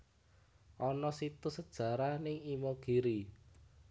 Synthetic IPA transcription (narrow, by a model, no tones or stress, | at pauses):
ʔɔnɔsit̪usəd̥ʒ̥ä̤ɾanɪŋimoɡ̥iɾi